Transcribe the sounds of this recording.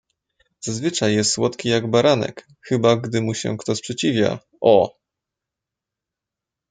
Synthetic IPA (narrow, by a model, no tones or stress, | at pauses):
z̥azvɘt͡ʂajːɛst̪swɔt̪kʲijaɡbaɾanɛ̰k | xɘbaɡd̪ɘmuɕɛ̰kt̪ɔspʂɛt͡ɕivʲja̰ | ʔɔ